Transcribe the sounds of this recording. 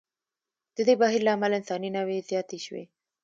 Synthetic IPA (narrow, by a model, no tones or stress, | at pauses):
d̪̥əd̪ebaɦiɾlaamalɪnsɑninawezjɑt̪eʃwḛ